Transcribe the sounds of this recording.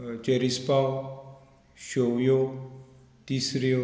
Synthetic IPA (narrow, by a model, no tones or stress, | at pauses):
t͡ʃeɾispaw | ʃowjo | t̪isɾijo